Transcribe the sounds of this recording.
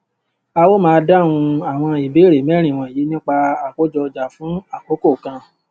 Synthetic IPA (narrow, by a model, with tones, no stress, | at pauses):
a˧wo˦mãː˧da˦˨wũ˧a˨w̃ɔ̃˧i˨be˨˦ɾe˨mɛ˦ɾ̃ĩ˨w̃ɔ̃˨ji˨˦nĩ˦k͡pa˧a˨k͡po˨˦d͡ʒɔ˧d͡ʒa˨fũ˦a˦˨ko˨˦ko˦˨kã˧